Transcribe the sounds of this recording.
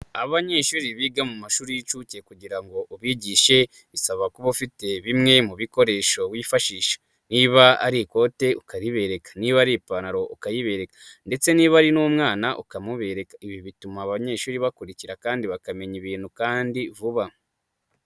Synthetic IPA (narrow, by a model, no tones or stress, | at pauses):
aβaɲe̞ːʃuɾiβiɡamumaʃuːɾiit͡ʃuce̞kuɟiɾaŋɡo̞ʔuβiːɟiːʃe̞ | βisaβakuβafite̞βimŋe̞muβiko̞ɾe̞ʃo̞wiːfaʃiːʃḁ | niβaa̰ɾiko̞te̞ukaɾiβe̞ɾe̞kḁniβaɾipanaɾo̞ʔukajiβe̞ɾe̞kḁnde̞t͡se̞niβaɾinumŋaːnaʔukamuβe̞ɾe̞kaiβiβitumaβaɲe̞ːʃuɾiβakuɾiciɾakaːndiβakame̞ɲiβiːn̥hukaːndivuβa